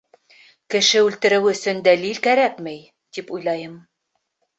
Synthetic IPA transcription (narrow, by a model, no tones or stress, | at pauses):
kɘ̆ʃɘʉlt̪ɘ̆ɾɘwɵ̆sɵ̆nd̪ælilkæɾækmɘj | t̪ipujlˠɑjɤm